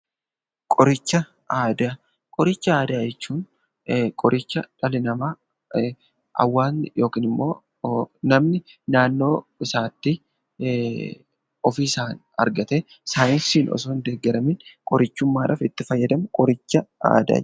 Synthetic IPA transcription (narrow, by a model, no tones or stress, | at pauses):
kʼɔɾɪt͡ʃːɐ | aːd̪a | kʼɔɾɪt͡ʃːɐaːd̪aːd͡ʒɛt͡ʃːuːn | kʼɔɾʔɪt͡ʃːɐᶑɐlɪnɐmaː | ʔɐ̰wːaːnjo̞ːkiːnɪmːo̞ː | nɐmnɪnaːnːo̞ːɪsaːt̪ːɪ | ɔfiːsaːn | ɐ̰ɾɡɐt̪eː | saːnisiːnʔɔ̰soːnd̪eːɡːɛɾɐmɪnkʼɔɾɪt͡ʃːʊmːaːᶑɐ̰ːfɪt̪ːɪfɐjːɐd̪ɐmkʼɔɾɪt͡ʃːɐa̰ːd̪a̰ː